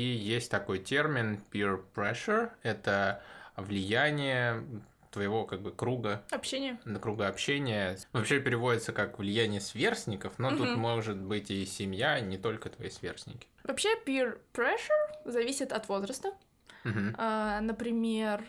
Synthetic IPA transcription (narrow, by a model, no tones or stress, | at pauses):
ijesʲtʲt̪ɐko̞jtʲe̞rmʲɪnpʲirpɾɛʂərɛt̪əvlʲɪjænʲɪjə | t̪vəjɪvo̞kaɡ̚bɨkɾuɡəɐpɕːenʲɪjəəkɾuɡəɐpɕenʲɪjəvɐpɕe̞pʲɪɾʲɪvo̞dʲɪt̪səkakvlʲɪjænʲɪjəsvʲe̞rsʲnʲɪkəfno̞t̪ut̪mo̞ʐɨt̪̚bɨtʲɪsʲɪmjanʲɪt̪o̞lʲkət̪vɐ̰jisvʲḛrsʲnʲɪkʲɪ̥vɐpɕepʲirpɾɛʂərzɐvʲisʲɪt̪ɐt̪vo̞zɾəst̪ə | m̩ɦm̩anəpɾʲɪmʲer